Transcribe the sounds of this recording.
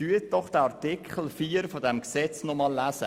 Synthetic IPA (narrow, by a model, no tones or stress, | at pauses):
yət̚d̥ɔχd̥əɑɾtikʰχəl̩fiːɾfɔdɛmksɛt͡snɔmɑlːæːsə̰